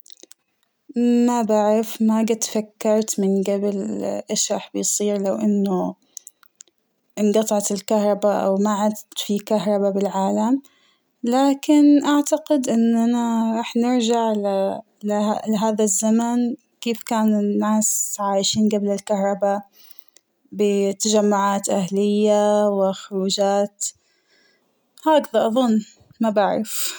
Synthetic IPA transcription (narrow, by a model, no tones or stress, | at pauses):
mabaʕɾɪfmaɡat̪fakːɑɾˤt̪mɪnɡablʔeːʃɾˤɑ̰ːħbɪjsˤiːɾlawʔɪnːʊ | ʔɪnɡɑt̪ˤɑʕt̪ɪlkahɾˤɑbaʔa̰wmaʕad̪t̪fikaɦɾˤɑbabɪlʕaːlam | laːkɪnʔaʕt̪aqɪd̪ʔɪnːʔanaɾˤɑːħnɪɾʒaʕl | lalɪɦaːðazːaman | keːfkaːnɪnːaːsʕaːjʃiːnɡablɪlkahɾˤɑba | bɪt̪ad͡ʒamːʊʕaːt̪ʔahlɪjːawɪxʊɾuːd͡ʒaːt̪ | haːkðaʔɑðˤʊnː | mabaʕɾˤɪ̰f